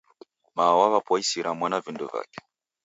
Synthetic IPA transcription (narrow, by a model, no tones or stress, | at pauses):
mawaβapwaisiɾamwanavinduva̰kɛ̥